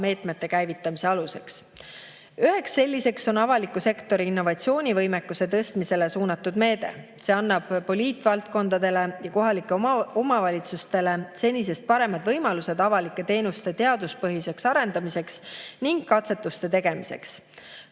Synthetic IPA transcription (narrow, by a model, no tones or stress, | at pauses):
me̞ːt̪met̪ːe̞kæjvit̪ˑːɑmise̞ɑluse̞ks | yɦe̞ksːe̞lʲːise̞kso̞nɑvɑlikːˑuse̞kt̪o̞ɾiinːo̞vɑt̪sio̞ːnʲivɤjmekːˑuse̞t̪ɤst̪mise̞le̞suːnɑt̪ːˑud̪me̞ːd̪e̞̰ | se̞ːɑnːɑb̥pːo̞lʲiːt̪ːˑvɑlt̪̚ko̞nd̪̥ɑd̪e̞le̞jɑko̞ɦɑlikːˑe̞omɑvɑlʲit̪sust̪e̞le̞se̞nʲːis̬e̞st̪̚pɑɾe̞mɑd̪̥vɤjmɑluse̞d̪̥ɑvɑlikːˑe̞t̪e̞ːnust̪e̞t̪e̞ɑd̪uspɤɦise̞ksɑɾe̞nd̪̥ɑmise̞ksniŋɡ̥ːɑt̪se̞t̪ːˑust̪e̞t̪e̞ɡ̥e̞mise̞̰ks